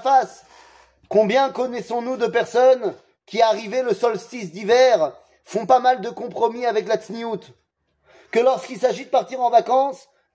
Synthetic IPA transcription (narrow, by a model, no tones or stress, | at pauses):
fas | kɔ̃bjɛ̃kɔnɛsɔ̃nud̪əpɛʁsɔn | kʲiaʁiveləsɔlst̪isd̪ivɛʁ | fɔ̃pamald̪əkɔ̃pχɔmiavɛklat̪sniut̪ | kəlɔʁskilsaʒid̪əpaʁt̪iʁɑ̃vakɑ̃s